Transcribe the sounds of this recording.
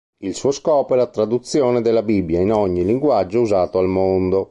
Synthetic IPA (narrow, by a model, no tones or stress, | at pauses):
ilsuːoskɔːpoɛlat̪ɾad̪ut̪sːjoːned̪elːabibːjainɔɲːiliŋɡwad͡ʒːouzaːt̪oalmond̪o